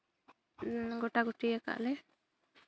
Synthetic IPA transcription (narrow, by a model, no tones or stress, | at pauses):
ɡɔʈaɡuʈiaka̰ʔlɛ